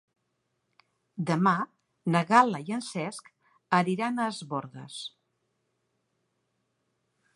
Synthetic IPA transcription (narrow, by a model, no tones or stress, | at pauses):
d̪əma | nəɣalˠəiənsɛsk | əɾiɾanəːzβoɾɣə̰s